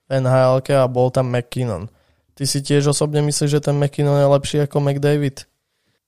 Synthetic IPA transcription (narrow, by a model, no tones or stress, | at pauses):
fɛnɦaːɛlkɛabɔlt̪amːɛkːinɔ̰n | t̪isicɪɛʒɔsɔbɲɛmisliːʒɛt̪ɛnmɛkːinɔnjɛlɛpʃiːakɔmɛɡd̪ɛjʋit̪